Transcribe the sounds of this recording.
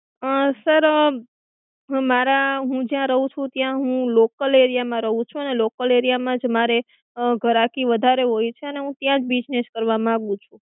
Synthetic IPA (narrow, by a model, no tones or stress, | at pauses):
əsəɾ | maɾaɦũd͡ʒjãɾəɦũt͡ʃʰũt̪jãɦũlokəleɾijamãɾəɦũt͡ʃʰũənelokəleɾijamãd͡ʒmaɾe | ɡʱəɾakiʋəd̪ʱaɾeɦojt͡ʃʰeəneɦũt̪jãd͡ʒbid͡ʒneʃkəɾʋamãaɡũt͡ʃʰũ